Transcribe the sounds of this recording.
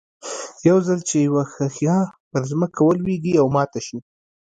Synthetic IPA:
jawzalt͡ʃejawaxaxjɑpəɾzməkawəlweɡiawmɑt̪aʃi

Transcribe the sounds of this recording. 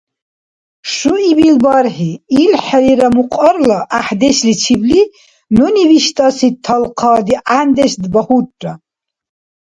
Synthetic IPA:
ʃuibilbaɾħiːlħɛliɾamuqʼɔɾlaʔaħd̪ɛslit͡ʃʰibli | nuniviʃt̪ʼasit̪ʰːalqʰɑːd̪iʔand̪ɛsd̪bahuʈʼːa

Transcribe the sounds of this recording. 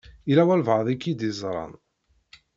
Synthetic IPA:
ilæwælvʕðˤikːid̪izˤɾˤɑ̰n

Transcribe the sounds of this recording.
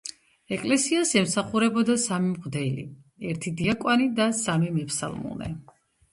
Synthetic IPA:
ɛkʼlɛsiasɛmsaχuɾɛbɔd̪asamimʁd̪ɛlḭ | ɛɾt̪ʰid̪iakʼwanid̪asamimɛpʰsa̰lˠmɔ̰nɛ̰

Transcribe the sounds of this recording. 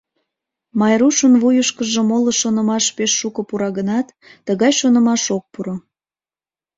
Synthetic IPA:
mɑjɾuʃənβujəʃkəʒemoləʃonə̆mɑʃpeʃːukəpuɾɑɣənɑt̪ː | əɣɑjʃonə̆mɑʃok̚puɾo

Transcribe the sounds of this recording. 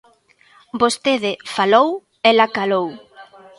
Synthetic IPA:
bost̪eðɪfalow | elakalow

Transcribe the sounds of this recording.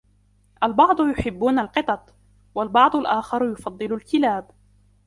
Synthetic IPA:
ʔalbɑʕd̪ˤʊjʊħɪbːuːnalqɨt̪ˤɑt̪ˤ | walbɑʕd̪ˤʊlʔaːxɑɾˤjʊfɑd̪ˤːɨlʊlkɪlaːb

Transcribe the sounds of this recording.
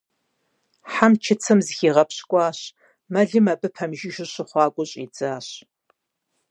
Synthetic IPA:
ħamt͡ʃʰɪt͡sʰɐmzxiːʁɐpɕkʷʼɑːɕ | mɐɮɨmɐbɨpʰɐmʒɪʒɪɕɪχʷɑːkʷʼʊɕʼḭːd͡zaːɕ

